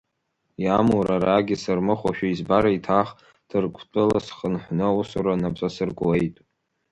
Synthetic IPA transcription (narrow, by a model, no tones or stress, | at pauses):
jamuɾaɾaɡʲisɨrmɨχʷaʃᶣaizbaɾaitʰaχ | d̥ʰɨrkʷʰʼtʷʼɨlasχənħʷnɨusuɾanapt͡sʼasɨrɡʼwejtʼ